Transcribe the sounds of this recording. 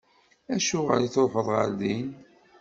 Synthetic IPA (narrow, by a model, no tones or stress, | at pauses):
æʃʊʁə̰liθoɾħəðˤʁə̰ɾðin